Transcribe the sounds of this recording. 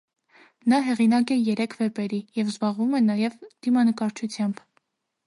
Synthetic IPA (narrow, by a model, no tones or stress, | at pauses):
nɑɦɛʁinɑkɛjɛɾɛkʰvɛpɛɾijɛvzbɑʁvumɛnɑjɛvd̪̥imɑnəkɑɾt͡ʃʰut͡sʰjɑmb̥